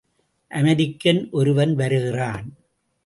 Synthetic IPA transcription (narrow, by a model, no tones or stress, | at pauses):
ʔɐmɐɾɪkːɐnʔɔɾɯʋɐnʋɐɾɯɣɪraːn